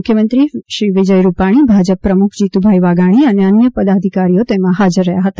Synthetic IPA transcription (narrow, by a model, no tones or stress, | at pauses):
ʊkʰjəmənt̪ɾiʃɾiʋɪd͡ʒəjɾupaɽ̃ibʱad͡ʒəpːɾəmʊkʰd͡ʒit̪ubʱaiʋaɡaɽ̃iəneənjəpəd̪ad̪ʱikaɾijot̪emãɦad͡ʒəɾːəɦjaɦət̪a